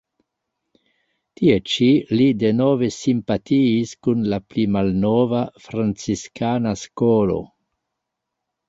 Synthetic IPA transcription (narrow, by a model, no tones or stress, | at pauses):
tiet͡ʃilide̞no̞ve̞simpatiːskunlaplimalnovafɾant͡siskanaskolo̞̰